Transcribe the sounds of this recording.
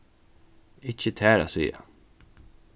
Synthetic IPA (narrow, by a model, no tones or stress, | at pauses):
ɪcːət̪ʰæːɾa̰sḭːa̰